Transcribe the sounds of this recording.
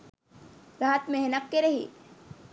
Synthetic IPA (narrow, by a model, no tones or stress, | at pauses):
ɾaɦət̪meɦnəkːeɾɐɦḭː